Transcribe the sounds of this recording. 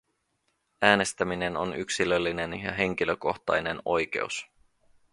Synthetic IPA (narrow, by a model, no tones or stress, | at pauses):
æːne̞st̪æmine̞no̞̰nyksilølːine̞njɑ̰ɦe̞ŋk̟iløko̞xt̪ɑ̰jne̞no̞̰jk̟e̞̰us